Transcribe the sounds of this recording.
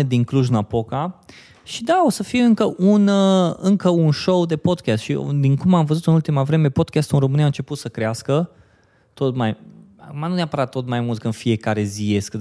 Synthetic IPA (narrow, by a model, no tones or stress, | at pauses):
ed̪iŋkluʒɨnapo̞ka | ʃid̪ao̞səfijɨŋkəʔunəɨŋkəunʃowd̪e̞po̞d̪kʲast̪ʃḭd̪iŋkumamvəzut̪ɨnult̪imavɾe̞me̞po̞d̪kʲast̪unromɨniaɨnt͡ʃe̞put̪səkɾeaskə | t̪o̞t̪maj | akumanuneapəɾat̪ːo̞t̪majmult̪̚kɨnfie̞kaɾe̞zije̞sk̪